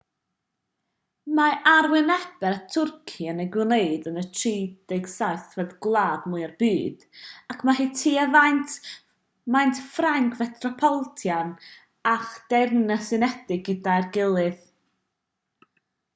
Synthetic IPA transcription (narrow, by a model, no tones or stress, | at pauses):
maʔarwɪnɛb̥ɛɾatʰʊrkʰiənejɡwneɨdənətʰriːd̥ejɡsaɨθvɛðɡlˠaːdmʊɨarbiːd̥akʰmaɦiːtʰiːəvajntʰ | majntʰfraŋkʰvɛtʰrɔpʰɔlˠtʰjan | aχd̥ɛrnəsɨnɛd̥ɪɡɪdajrɡɪlˠɨð